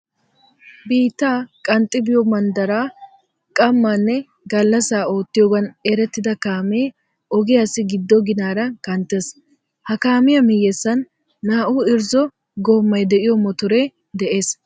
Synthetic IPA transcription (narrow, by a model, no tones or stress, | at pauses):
biːt̪ːaːkʼɐnt̪ʼːɪbɪjɔmɐnd̪ɐɾaː | kʼɐmːɐnːɛ | ɡɐlːɐsaːoːt̪ːɪjoːɡɐneɾɛt̪ːɪd̪ɐkaːmeː | ɔɡɪjaːsɪɡɪd̪ːɔɡɪnaːɾɐkʼɐnt̪ʼːes | hɐkaːmɪjɐmɪjːɛsːɐnː | aːʔuːɪɾzɔ | ɡoːmːɐjd̪ɛʔɪjɔmɔt̪ʊɾe | d̪ɛʔe̞ːs